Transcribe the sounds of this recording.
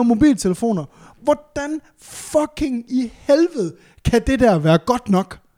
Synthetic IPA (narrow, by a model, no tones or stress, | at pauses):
mo̝bḭːlt͡sʰeləfo̝̰ːnɐ | ʋɒd̥æn | fɒɡ̥ʰe̝ŋihelʋəð̞̩ˠ | kʰæd̥e̝d̥æɐ̰ʋæːɐɡ̥ɒ̽d̥nɒ̽ɡ̥